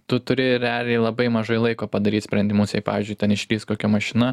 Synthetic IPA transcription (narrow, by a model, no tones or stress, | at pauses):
t̪ʊt̪ʊɾʲɪɾʲɛɑːlʲɪɛɪlˠɐbɐɪmɐʒɐɪlˠɐɪkoːpɐd̪ɐɾʲiːt̪ʲsʲpʲɾʲɛnʲd̪ʲɪmʊsjɛɪpɑ̰ːʋʲiːzʲd͡ʒʊɪt̪ʲɛnɪʃʲlʲiːst̪koːkʲɛmɐʃʲɪnɐ